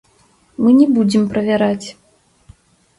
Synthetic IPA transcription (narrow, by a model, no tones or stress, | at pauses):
mɨnʲɛbud͡zʲɛmpɾɐvʲaɾat͡sʲ